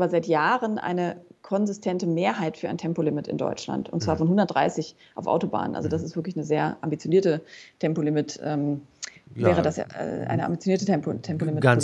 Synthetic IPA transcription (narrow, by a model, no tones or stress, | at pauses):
bɐzaɪtjaːʁənʔa̰ɪnəkʰɔnzɪstʰɛntəmeːɐɦaɪtfyːɐaɪntʰɛmpolɪmɪtɪ̰ndɔ̰ʏt͡ʃla̰ntʊ̰ntt͡sv̥aːɐfɔnɦʊndɐtd̥ʁa̰ɪsɪç | ʔaʊfa̰ʊtoba̰ːnənʔa̰lzodas̬ɪstv̥ɪɐklɪçnəzeːɐʔa̰mbit͡sjoniːɐtətʰɛmpolɪmɪtʔɛːm | vɛːʁədasja̰ːɛ̰ʔa̰ɪnəʔa̰mbit͡sjoniːɐtəɛmpotʰɛmpolɪmɪt